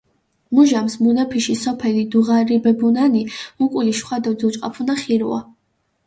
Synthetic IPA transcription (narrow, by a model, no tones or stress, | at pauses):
muʒamsmunapʰiʃisɔpʰɛlid̪uʁaɾibɛbunanimukʼuliʃχwad̪ɔd̪ut͡ʃʼqʼapʰunaχiɾua̰